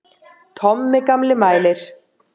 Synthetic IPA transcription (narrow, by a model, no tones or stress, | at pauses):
t̪ʰɔmːɪkamlɪmaːjlɪɾ̥